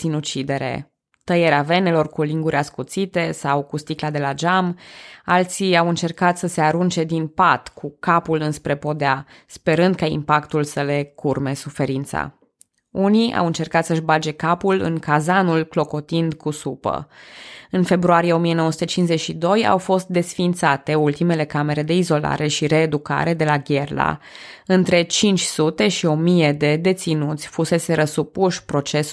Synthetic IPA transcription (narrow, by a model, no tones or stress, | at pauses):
sinut͡ʃid̪e̞ɾe̞̰ | t̪əjeɾeave̞ne̞lo̞rkuliŋɡuɾʲaskut̪sit̪e̞sawkust̪iklad̪e̞lad͡ʒamalt̪siawɨnt͡ʃe̞rkat̪səse̞aɾunt͡ʃe̞d̪inpat̪kʰukapulɨnspɾe̞po̞d̪ea | spe̞ɾɨnd̪̚kaḭmpakt̪ulsəle̞kʰurme̞sufe̞ɾint̪sa̰ | unia̰wɨnt͡ʃe̞rkat̪səʃbad͡ʒe̞kapulɨ̰ŋkazanulklo̞ko̞t̪ind̪kusupə̰ | ɨnfe̞bɾuaɾije̞o̞mije̞nowəsu̥t̪ət͡ʃinze̞t͡ʃʃid̪o̞ja̰wfo̞st̪̚d̪e̞sfint̪sat̪e̞ult̪ime̞le̞kame̞ɾe̞d̪e̞izo̞la̰ɾe̞ʃiɾe̞ːd̪uka̰ɾe̞d̪e̞laɡʲerla̰ | ɨnt̪ɾe̞t͡ʃint͡ʃʲsut̪e̞ʃio̞mije̞d̪e̞d̪e̞t̪sinut̪sʲfuse̞se̞ɾəsupuʃʲpɾo̞t͡ʃe̞s